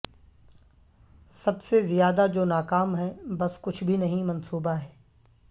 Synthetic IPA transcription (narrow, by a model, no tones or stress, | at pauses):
sɐbsezijaːd̪ad͡ʒoːnaːkaːmɦɛːbɐskʊt͡ʃʰbʱinɐɦĩmɐ̃nsuːbaɦɛː